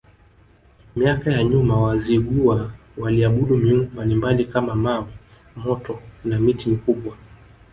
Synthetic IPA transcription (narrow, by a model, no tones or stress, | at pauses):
miakajaɲumawaziɠuwa | waliaɓuɗumiuŋɡɔmbalimbalikamamawi | mɔtɔnamitimikuɓwa